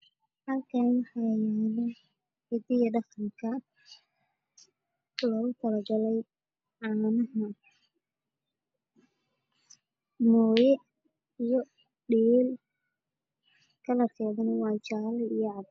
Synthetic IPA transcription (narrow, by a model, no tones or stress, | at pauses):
hɐlkʰɐnwɑħɑːjɛlɛ | hɪd̪ɪjɐɖɑχɐŋkʰɐ | lɔːɣʊt̪ʰɐlɐɡɐlɛj | ʕɑːnɐɦɐ | mɔːjɛ | ijɔ | ɖiːl | kʰɐlɐrkʰɛːðʊnɐwɑːt͡ʃaːlijʕɑd